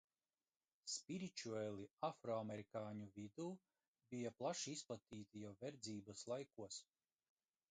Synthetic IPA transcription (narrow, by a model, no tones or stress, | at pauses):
spʲiɾit͡ʃuɛlʲˠiafɾɔamɛɾikaːɲuvid̪uː | bʲijaplˠaʃiisplˠat̪iːt̪ijawvɛɾd̪ziːbaslˠajkuɔs